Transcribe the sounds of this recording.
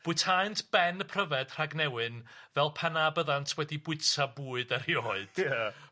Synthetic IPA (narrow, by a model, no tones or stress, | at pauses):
b̥ʊɨtʰaɨntʰb̥ɛnpʰrəvɛd̥r̥aɡnɛwɨnvɛlˠpʰɛnabəðantʰwɛdibʊɨtʰabuːɨdarjoːɨd̥